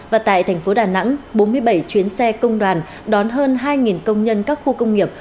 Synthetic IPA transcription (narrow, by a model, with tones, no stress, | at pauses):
vaː˨˩t̪a̰ː˧˨jt̪ʰɛ˨˩ŋ̟fo˨˦ɗaː˨˩na̰˧˥ŋɓo˨˦nmɨ˧əjɓə˧˩jt͡ɕwi˨˦ənsɛ˧kə˧wŋ͡mɗwaː˨˩n | ɗɔ˨˦nɦəː˧nɦaː˧jŋi˨˩nkə˧wŋ͡mɲə˧nkaː˦˥k̚xu˧kə˧wŋ͡mŋi˨˩əp̚